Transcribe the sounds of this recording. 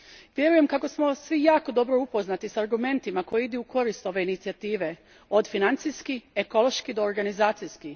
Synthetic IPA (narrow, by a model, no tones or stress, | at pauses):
ʋje̞ɾuje̞mkako̞smo̞sʋijaːko̞d̪o̞bɾoupo̞znat̪isaːɾɡume̞nt̪imako̞jeid̪uuko̞ɾist̪o̞ʋe̞init̪siat̪iːʋe̞ | o̞d̪finant̪sijskieko̞lˠo̞ʃkid̪o̞ːɾɡanizaːt̪sijski